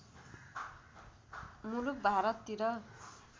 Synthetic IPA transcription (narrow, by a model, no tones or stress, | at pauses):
muluk̚bʱaɾʌt̪ːiɾʌ